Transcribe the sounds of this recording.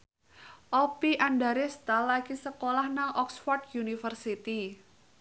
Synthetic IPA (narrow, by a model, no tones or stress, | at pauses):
ʔɔpiʔandaɾest̪alaɡ̥isəkolahnaʔɔksfɔrt̪junifərsit̪i